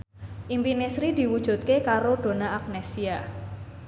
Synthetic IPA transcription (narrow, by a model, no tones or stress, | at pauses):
ʔimpinesɾid̪̥i̤wud̥ʒ̥ṳt̪̚kekaɾod̥o̤naak̚nesia